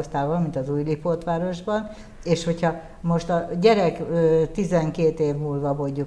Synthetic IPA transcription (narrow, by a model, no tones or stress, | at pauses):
st̪aːvɒlmint̪ɒzuːjlipot̪ʋaːɾo̞ʒbɒn | eːʃho̞chɒ | mo̞ʃt̪ɒɟɛɾɛkøːt̪izɛŋkeːt̪eːvmulvɒvoɟːu